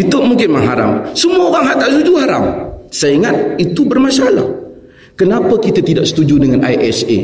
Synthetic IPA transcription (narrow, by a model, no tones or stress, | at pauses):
it̪ʊʔmuŋkɪnmaŋɦaɾa̰msəmuaoɣaŋɦat̪aʔsud͡ʒuhaɾa̰msaiŋat̪̚it̪ubərmasala̰h | kənapakit̪at̪idaʔsə̥t̪ud͡ʒudəŋana̰jʔɛse